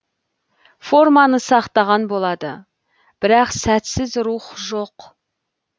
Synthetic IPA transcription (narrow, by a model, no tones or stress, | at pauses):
fo̞rmɑnəsɑqt̪ɑʁɑnbo̞lˠɑd̪ə | b̥ɪɾɑqsæt̪sɪzɾuχʒo̞q